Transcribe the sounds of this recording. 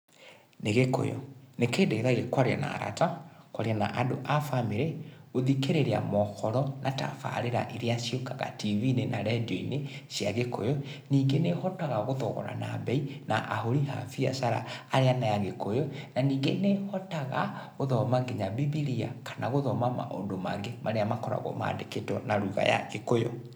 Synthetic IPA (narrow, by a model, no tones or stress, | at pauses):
neɣeko̰jɔ̰nekeːndeɣeðaɣekwaɾa̰na̰ɾa̰takwaɾeana̰ʔadoʔafameɾeoðikeɾeɾea̰mɔxɔɾɔnata̰fa̰ɾeɾa̰ʔeɾeasjokaɣa̰tʰivinenaɾɛdoinesjaɣeko̰jɔniːŋɡenehɔtaɣaɣoðɔɣɔ̰ɾa̰na̰bɛina̰ʔaɦoɾiɦa̰fia̰saɾa̰aɾeanajaɣekojɔnaniːŋɡenehɔtaɣaɣoðɔmaŋɡeɲabibiɾia̰kʰanaɣoðɔmama̰ʔo̰ndomaŋɡemʔaɾeamakɔɾa̰ɣɔ̰ma̰ːndeketɔnaɾuɣa̰ja̰ɣekojɔ